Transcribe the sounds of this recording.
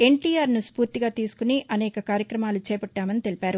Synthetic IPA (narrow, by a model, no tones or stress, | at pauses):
e̞ɳʈiːjaːɾnuspuːɾt̪iɡaːt̪iːsu̥kuniʔɐnɛːkɐkaːɾjɐkɾɐmaːlut͡ʃɛːpɐʈːaːmɐnit̪e̞lipaːɾu